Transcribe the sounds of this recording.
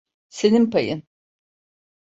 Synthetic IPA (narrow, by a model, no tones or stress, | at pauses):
se̞nimpajɯn